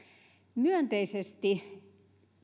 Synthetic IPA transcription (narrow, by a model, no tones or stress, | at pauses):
myønt̪eisest̪i